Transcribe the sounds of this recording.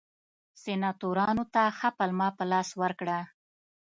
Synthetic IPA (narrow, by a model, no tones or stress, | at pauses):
senɑt̪oɾɑnot̪axapalmɑpəlɑswəɾkɽa